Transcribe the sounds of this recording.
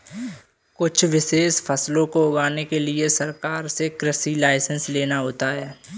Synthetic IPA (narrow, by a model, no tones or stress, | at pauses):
kʊt͡ʃʰʋɪʃeːʃfʰɐslõkoʊɡaːnekeliesɐɾkaːɾsekɾəsilaːɪsə̃nsleːnaɦoːt̪aɦɛː